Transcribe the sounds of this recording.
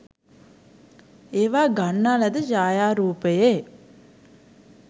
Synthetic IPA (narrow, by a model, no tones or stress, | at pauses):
eːʋaːɡɐɳːaːlɐd̪ɨd͡ʒaːjaːɾuːpeje